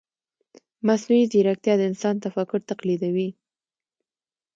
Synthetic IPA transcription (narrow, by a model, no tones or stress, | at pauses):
masnuiziɾak̚t̪jɑd̪əɪnsɑnt̪afakʊɾt̪aqlid̪awi